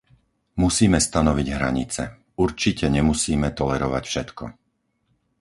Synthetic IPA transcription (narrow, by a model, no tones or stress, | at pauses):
musiːmɛst̪anɔʋiɟɦɾa̰ɲit͡sɛ | uɾt͡ʃicɛɲɛmusiːmɛt̪ɔlɛɾɔʋacfʃɛt̪kɔ̰